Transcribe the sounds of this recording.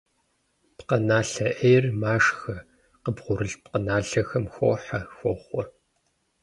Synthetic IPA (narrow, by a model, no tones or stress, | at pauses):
pqɐnaːɬɐʔejrmaːʂxɐ | qəbʁʷʊɾɨɬpqənaːɬɐxɐmxʷo̰ːħɐxʷɔχʷɔr